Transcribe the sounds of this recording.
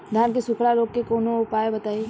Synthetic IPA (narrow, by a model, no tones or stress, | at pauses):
d̪ʱaːnkesʊkʰɾaɾoːɡ̚kekoːnoʊpaːjebɐt̪aːi